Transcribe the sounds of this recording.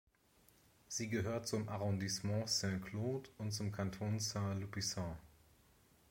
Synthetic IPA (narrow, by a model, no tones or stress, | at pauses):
z̥iːɡəɦøːɐtt͡sʊmʔaʁɔ̃dismɑ̃sɛ̃kʰloːtʊntt͡sʊmkʰantʰoːnsalupisɑ̃ː